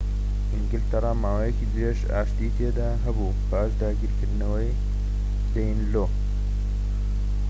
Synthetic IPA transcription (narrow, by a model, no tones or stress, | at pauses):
ʔiŋɡɪlt̪ɐɾˤɑːmaːwajekiːd̪ɨɾeʃa̰ːʃt̪iːt̪ʰed̪aːɦɐbu | baːʃd̪aːɡiːɾkɨɾd̪nɐwɐj | d̪ejnloː